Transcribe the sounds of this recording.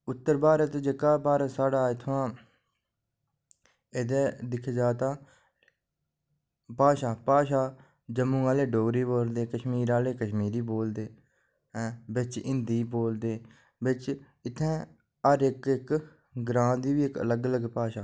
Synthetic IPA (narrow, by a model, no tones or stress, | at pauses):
ʊt̪ːəɾbaːɾət̪ːd͡ʒekaːbaːɾəsaːɖaːɪt̪ʰʋãː | eːd̪eːd̪ɪkʰːeːd͡ʒaːt̪aː | paːʃaːpaːʃaː | d͡ʒəmũːaːleːɖoːɡɾiːboːld̪eːkəʃmiːɾaːleːkəʃmiːɾiːboːld̪eː | bɪt͡ʃɪnd̪iːboːld̪eː | bɪt͡ʃ | ɪt̪ʰːɛ̃ː | əɾɪkɪk | ɡɾãːd̪iːʋiːɪkə̰ləɡələɡpaːʃaː